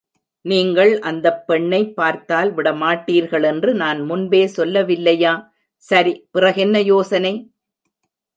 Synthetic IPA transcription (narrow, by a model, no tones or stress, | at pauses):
niːŋɡɐɭʔɐnd̪ɐpːɛɳːɐɪpːaːɾt̪aːlʋɪɽɐmaːʈːiːɾɣɐɭɛndrɯnaːnmʊnbeːsɔlːɐʋɪlːɐjaː | sɐɾipɪrɐɣɛnːɐjoːsɐnɐɪ